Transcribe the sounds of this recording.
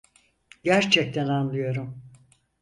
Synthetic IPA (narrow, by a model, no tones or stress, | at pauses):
ɟæɾt͡ʃʰɛc̚t̪ʰænanlˠɯjo̞ɾum